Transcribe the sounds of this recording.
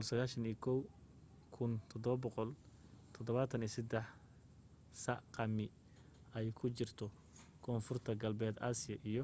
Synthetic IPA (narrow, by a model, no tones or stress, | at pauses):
ɔlsɐɣaːʃɐnikʰɔw | kʰʊnt̪ʰɔd̪ɔβɐbɔqɔl | t̪ʰɔd̪ɔβaːt̪ʰɐniːsɛd̪ɛħ | sɐqɑmɪ | ɛjkʰʊt͡ʃɪrt̪ʰɔ | kʰɔːnfʊrt̪ʰɐɡɐlbɛːd̪aːsɪjɐʔijɞ